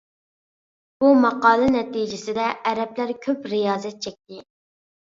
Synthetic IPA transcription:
b̥umɑqɑːlˠɨnɛt̪id͡ʒɪsɪd̪ɛʔːɾɛplæɾkʲʰøpɾijɑːzɛt̪̚t͡ʃʰɛk̚ʲt̪ɪ

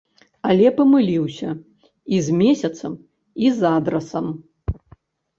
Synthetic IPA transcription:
ɐlʲɛpɐmɨlʲiwsʲɐ | izʲmʲɛsʲɐt̪sɐm | izad̪ɾɐsɐm

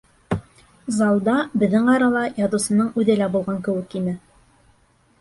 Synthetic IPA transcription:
zɑlˠd̪ɑbɘ̆ðːɘŋɑɾɑlˠɑjɑt̪ɤ̆sɤ̆nɤɴʉðɘlæbulˠʁɑŋkɘ̆wɘkinɘ

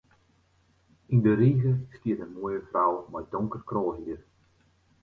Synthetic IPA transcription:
indəɾiɣəskiətənmojəfrawmɔjdɔŋkərkroːlˠɦiər

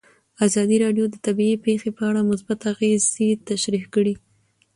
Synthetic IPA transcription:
azɑd̪iɾɑɖjod̪ət̪abiipexepəaɽamʊsbat̪aɣezet̪aʃɾihkəɽi

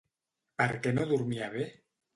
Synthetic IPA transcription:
paɾkenoðuɾmiaβe

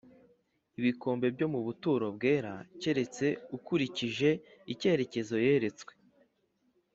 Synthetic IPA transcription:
iβiko̞ːmbe̞bɟo̞muβutuɾo̞bɡe̞ːɾace̞ɾe̞t͡se̞ukuɾiciʒe̞ice̞ːɾe̞ce̞zo̞je̞ːɾe̞t͡swe̞̥

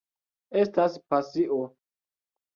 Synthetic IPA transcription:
estaspasiʔo

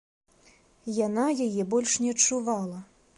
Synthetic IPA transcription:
janajajɛbɔlʲʂnʲɛɐt͡ʂːuvalˠɐ

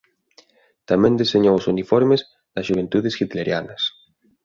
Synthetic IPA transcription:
t̪amẽnd̪iseɲowosunifoɾmez | ðɐzʒuβ̞ent̪uðesxit̪leɾjanɐs

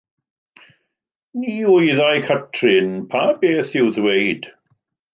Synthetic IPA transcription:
niːʊjðajkʰətʰrɪnpʰabeːθɪwðwejd̥

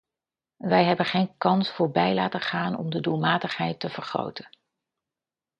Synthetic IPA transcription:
ʋɛjɦɛbəχejnkɑnsfʊːɹbɛjlaːtəχaːnɔ̰mdədulˠmaːtəχɦɛjtəv̥əɹχro̰wtən

